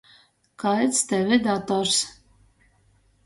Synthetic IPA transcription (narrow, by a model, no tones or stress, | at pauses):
kaɛt̪st̪ɛvɪd̪at̪ɔɾs